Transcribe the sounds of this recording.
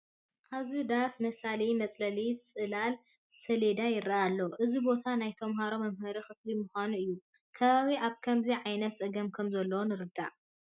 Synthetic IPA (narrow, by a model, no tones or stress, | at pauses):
ʔaβzid̪asmɐsalimɐt͡sʼlɐlit͡sʼɨlal | sɐled̪ajɪɾːaʔalːɐʔɨzibo̞t̪ʰanajt̪ʰɐmɦaɾo̞mɐmhɐɾixɨflimʊxʷanuɨjːu | kʰɐβaβiʔaβkʰɐmziʕajnɐt̪̚t͡sʼɨɡɐmkʰɐmzɐlːɐwonɨɾɨd̪a̰ʔ